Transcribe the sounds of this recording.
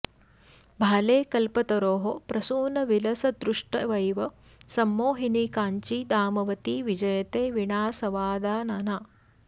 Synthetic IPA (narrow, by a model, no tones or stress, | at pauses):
bʱaːleːkɐlpɐt̪ɐɾoːɦopɾɐsuːnɐʋilɐsɐd̪ɾuʂʈɐʋɐjʋɐ | sɐmːoːɦinikaːɲt͡ʃiːd̪aːmɐʋɐt̪iʋid͡ʒɐjɐt̪eːʋiɳaːsɐʋaːd̪aːnaːnaː